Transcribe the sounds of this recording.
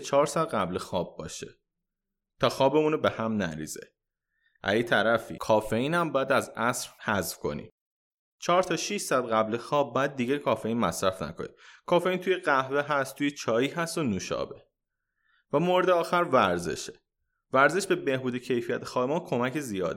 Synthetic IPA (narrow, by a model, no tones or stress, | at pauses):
t͡ʃʰɒːɾsæd̪̚ɢæblexɒːb̚ːɒ̰ːʃe | t̪ʰɒːxɒːbemuːnobe̞hæmnæ̰ɾḭːz̥ḛ | ʔæ̰jit̪ʰæɾæfḭkʰɒːfe̞iːnæmbɒːjæd̪æzæsɾhæzfkʰo̞̰nḭ | t͡ʃʰɒːɾt̪ʰɒːʃiʃsæd̪ɢæblexɒːb̚ːjæd̪̚ːiːɟækʰɒːfe̞iːnmæsɾæfnæ̰kʰonḭkʰɒːfe̞iːnt̪ʰujeɢæhveɦæst̪ʰuːjet͡ʃʰɒːjiːɦæst̪onuːʃɒ̰ːbe | væmoɾed̪eɒːxæɾvæɾze̞̰ʃe̥ | væɾze̞ʃbe̞be̞hbuːd̪e̞cʰe̞jfijæt̪ʰexɒːbemɒːkʰo̞mæcʰezijɒːd̪